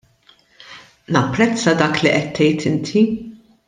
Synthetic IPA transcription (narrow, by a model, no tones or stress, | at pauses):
nɐpːɾɛt͡sːɐd̪ɐːkliʔɛt̪ʰːɛjt̪ʰɪnt̪ʰi